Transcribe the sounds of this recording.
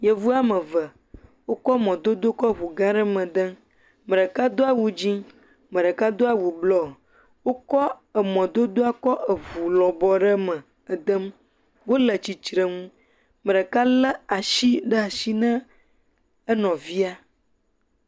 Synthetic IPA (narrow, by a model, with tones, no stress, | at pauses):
jə˦vu˦a˦mə̃˨və˨ | wo˦kɔ˦mɔ̃˨d̪o˦d̪o˦kɔ˦βu˨ɡã˦ɖə˦mə̃˨d̪ə˦ | mə̃˨ɖə˨ka˦d̪o˦a˦wu˦d͡ʑi˦ | mə̃˨ɖə˨ka˦d̪o˦a˦wu˨blɔ˦ | wo˦kɔ˦ə˨mɔ̃˨d̪o˦d̪o˦a˦kɔ˦ʔə˨vu˨lɔ̃˨bɔ˨ɖə˦mə̃˨ | ə˨d̪ə˦m | wo˦lə˨t͡ɕi˨t͡ʃɾə˨ŋũ˦ | mə̃˨ɖə˨ka˦lə˦a˨ʃi˦ɖə˦a˨ʃi˦nə̃˦ | ə˦nɔ̃˨vi˦a˦